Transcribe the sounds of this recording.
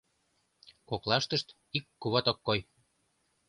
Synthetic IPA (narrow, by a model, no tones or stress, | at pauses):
koklɑʃt̪əʃt̪ | ikːuβɑt̪okːoj